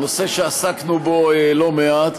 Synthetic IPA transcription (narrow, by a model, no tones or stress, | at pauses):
nose̞ʃeasaknuboelo̞meat̪